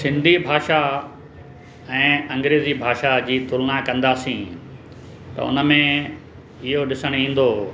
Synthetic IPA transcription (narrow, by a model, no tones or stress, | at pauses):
sɪ̃nd̪ʱibʱaːʃa | ɛ̃ːɐ̃ŋɡɾeːzibʱaːʃad͡ʑiːt̪ʊlnakɐ̃nd̪aːsĩ | t̪ɐ̰ʊ̰nə̆mẽ | ɪɦoɗɪsəɽ̃ĩːn̆d̪oː